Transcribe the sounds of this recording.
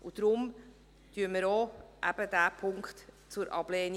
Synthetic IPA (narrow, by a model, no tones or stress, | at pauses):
ud̪̥ɾʊm | t̪yəməɾoːʔæb̥əd̪æːpʰʊŋkχt̪ | t͡sʊɾʔɑ̰b̥leːn